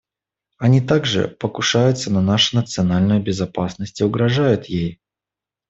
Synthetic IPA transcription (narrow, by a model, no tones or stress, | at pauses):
ɐnʲit̪aɡʐɨ̰pəkʊʂajʊt̪sənɐnaʂɨnət̪sɨɐnalʲnʊjʊbʲɪzɐpasnəsʲtʲʊɡɾɐʐajʊt̪jej